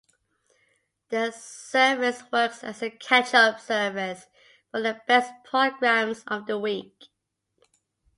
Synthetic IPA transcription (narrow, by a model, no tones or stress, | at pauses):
ðəsɜːvɪswɜˑksə̰zəkʰæt͡ʃəpsɜːvɪs | fəðəb̥ɛspʰɹ̥oɡɹæ̃mzəvðəwiˑk